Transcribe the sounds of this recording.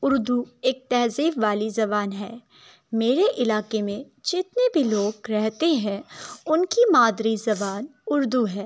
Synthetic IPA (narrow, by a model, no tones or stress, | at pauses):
ʊɾd̪ueːk̚t̪ɛːɦziːɾʋaːlizɐbaːnɦɛː | meːɾeʔɪlaːkemẽ | d͡ʒɪt̪nebʱiloːɡɾɛɦt̪eɦɛ̃ʊnkimaːd̪ɾizɐbaːnʊɾd̪uɦɛː